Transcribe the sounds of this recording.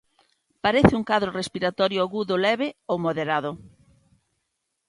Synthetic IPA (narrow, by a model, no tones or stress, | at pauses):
paɾɛθɪuŋkaðɾorespiɾat̪ɔɾjʊaɣuðʊlɛβɪowmoðeɾaðʊ